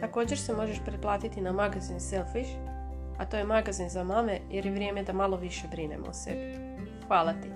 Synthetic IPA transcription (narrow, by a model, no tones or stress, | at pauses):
t̪ako̞ːd͡ʑeɾse̞mo̞ʒe̞ʃpɾeplˠaːt̪it̪inamaɡazinselˠfiʃ | at̪ojemaɡazinzamame̞je̞ɾjeʋɾjeme̞d̪amalo̞ʋiʃe̞bɾinḛmo̰sḛb | xʋaːlˠat̪i